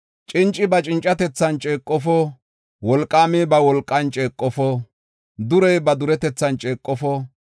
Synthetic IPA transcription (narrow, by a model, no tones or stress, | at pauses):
t͡ʃʼɪnt͡ʃʼːɪbɐt͡ʃʼɪnt͡ʃʼːɐt̪ɛt͡sːɐnt͡ʃʼeːkʼːɔfɔ | wɔlkʼːaːmɪbɐwɔlkʼːɐnt͡ʃʼe̞ːkʼːɔfɔ | d̪ʊɾɛjbɐd̪ʊɾɛt̪ɛt͡sːɐnt͡ʃʼeːkʼːɔfɔ